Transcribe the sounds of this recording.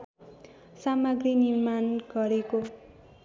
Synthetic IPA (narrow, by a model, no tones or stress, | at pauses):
samʌɡrinirmanɡʌɾeko